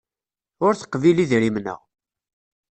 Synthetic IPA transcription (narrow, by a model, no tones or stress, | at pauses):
ʊɾθə̥qːviliðɾimnə̰ʁ